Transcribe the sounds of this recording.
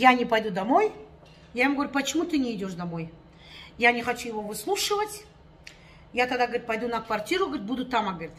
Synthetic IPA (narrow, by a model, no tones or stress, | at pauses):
janʲɪpɐjd̪ud̪ɐmo̞j | jaɪmuɡəvɐɾʲupət͡ɕɪmut̪ɨnʲɪɪdʲo̞ʂd̪ɐmo̞j | janʲɪxɐt͡ɕujɪvo̞vɨslˠuʂɨvətʲ | jat̪ɐɡd̪aɡəʋɐɾʲit̪̚pɐjd̪unɐkvɐrtʲiɾʊɡəɾʲit̪̚bud̪ʊt̪ːamɐɡəʋɾʲit̪